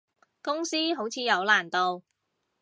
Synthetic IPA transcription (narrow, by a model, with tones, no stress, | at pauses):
kʊ˥ŋsiː˥ɦo˨˥wt͡sʰiː˨˧jɐ˨˧wlaː˨˩nt̪o˧w